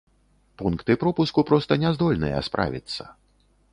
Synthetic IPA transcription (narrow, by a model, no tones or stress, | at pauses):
punkt̪ɨpɾɔpuskupɾɔst̪ɐnʲɛzd̪ɔlʲnɨ̰jɛ̰spɾa̰vʲḭt̪sːɐ